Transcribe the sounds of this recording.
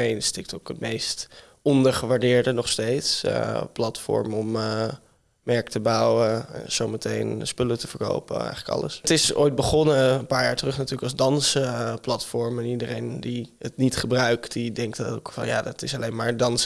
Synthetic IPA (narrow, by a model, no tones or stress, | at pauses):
ejnstɪk̚tokətmejst | ɔndəɹχəʋaɹdɪːɹdənɔχstejtsplɑtfɔ̰ɹmɔm | mɛɹktəbɑwə̰z̥owmətejnspɵlətəfəɹko̰wpə̰ɛ̰jχələkɑ̰lə̰stɪso̰jt̚bəχɔnəənpaːɹjaːɹtərɵχnatyːləkɑlzdɑnsəplɑtfɔɹmɛnidərejndiətnitχəbrœɥktdidɛŋktokfɑ̰nja̰ːdɑtɪsɑlejnmaːɹdɑns